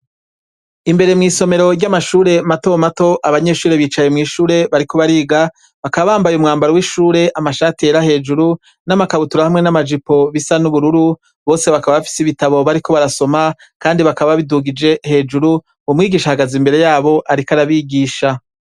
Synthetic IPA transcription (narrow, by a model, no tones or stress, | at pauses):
imbe̞ɾe̞mŋiːso̞me̞ɾo̞ɾɟamaʃuːɾe̞mato̞mato̞ʔaβaɲe̞ʃuːɾe̞βiːt͡ʃaje̞mŋiːʃuːɾe̞βaɾikʰo̞βaɾiːɡa | βakaβaβaːmbajumŋaːmbaɾowiʃuːɾe̞ʔamaʃaːtieɾahe̞ːd͡ʒuɾu | namakaβutuɾahamŋe̞namad͡ʒipo̞βisanuβuɾuɾu | βo̞ːse̞βakaβaβafi̥siβitaβo̞βaɾiko̞βaɾaso̞ma | kaːndiβakaβaβaβiduɡid͡ʒe̞he̞ːd͡ʒuɾu | umŋiːɡiːʃahaɡazimbe̞ɾe̞jaːβo̞ʔaɾikaɾaβiɡiːʃa